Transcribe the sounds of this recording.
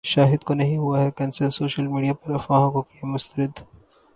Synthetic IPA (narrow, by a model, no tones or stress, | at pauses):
ʃaːɦɪd̪konɐɦĩɦʊaɦɛkɐnsəɾsoːʃəlmiːɖijapɐɾɐfaːɦãkokiemʊst̪əɾɪd̪